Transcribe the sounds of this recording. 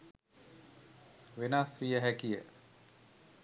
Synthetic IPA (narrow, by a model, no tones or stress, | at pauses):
ʋenasʋijəɦækijə